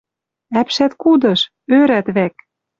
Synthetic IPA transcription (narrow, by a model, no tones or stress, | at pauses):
æpʃæt̪kud̪ɤ̆ʃ | øɾæt̪βæk